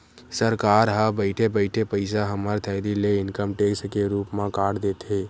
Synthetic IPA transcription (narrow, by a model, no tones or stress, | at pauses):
səɾkaːɾɦabəɪʈʰepəɪʈʰepəɪsaɦəməɾt̪ʰɛːd̪ileɪnkəmʈeːksʈkeɾuːpmãkaːɽd̪eːt̪ʰeː